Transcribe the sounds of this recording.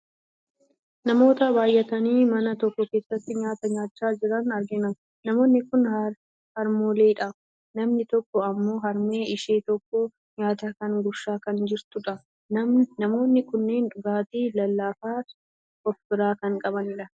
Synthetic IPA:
nɐmo̞ːt̪ɐbaːjʔɐt̪ɐniːmɐnɐt̪ɔkːɔke̞ːsːɐt̪ːɪɲaːt̪ɐɲaːt͡ʃːaːd͡ʒɪɾɐnɐɾɡɪnɐ | nɐmo̞ːnːɪkʊn | hɐɾmoːleːɪᶑaf | nɐmnɪt̪ɔkːɔɐmːo̞ːɦɐɾme̞ːɪʃeːt̪ɔkːɔ | ɲaːt̪ɐkɐŋɡʊʃaːkɐnd͡ʒɪɾt̪ʊᶑɐ | nɐnɐmo̞ːnːɪkʊnːeːnᶑʊɡaːt̪iːlɐlːaːfaː | ʔɔfbɪɾaːkɐŋkʼɐbɐnɪᶑɐ

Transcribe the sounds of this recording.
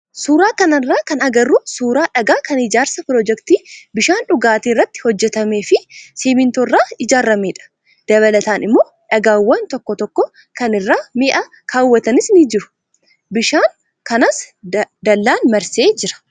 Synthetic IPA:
suːɾaːkɐnɐrːaːkɐnɐɡɐrːusuːɾaːᶑɐɡaːkɐnɪd͡ʒaːɾsɐpɾoːd͡ʒɛkt̪iːbɪʃaːnᶑʊɡaːt̪iːrːɐt̪ːɪ̥hɔd͡ʒːɛt̪ɐme̞ːfɪsiːmɪnt̪orːaːɪd͡ʒaːɾːɐmeːᶑɐ̥ | d̪̥ɐβɐlɐt̪aːnɪmːoː | ᶑɐɡaːwːɐnt̪ɔkːɔt̪ɔkːɔ | kɐnɪrːaːmeːʔɐ | kʰaːwːɐt̪ɐnɪsniːd͡ʒɪɾʊ̥ | bɪʃaːŋ | kɐnɐsd̪ɐlːaːnmɐɾse̞ːd͡ʒɪɾɐ̥

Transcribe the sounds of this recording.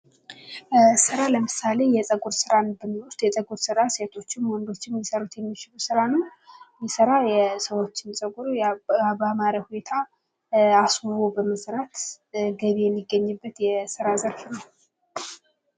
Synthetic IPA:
sɨɾaləmɨsale̞jɛt͡sʼəɡʼuɾsɨɾanbɨnwʊst̪ʼjɛt͡sʼəɡuɾsɨɾaset̪ʰo̞t͡ʃːɪmwɔnd̪o̞t͡ʃːɪmːjisəɾut̪jɛmːit͡ʃɪlusɨɾanɨmjɛsəɾajɛsəwo̞t͡ʃːɪnsʼəɡʼuɾujabamaɾjahune̞t̪ʰa | aswɨβobəməsɾat̪ | ɡəβijɛmːiɡːəɲːɨbːət̪jɛsɨɾazəɾfinəw

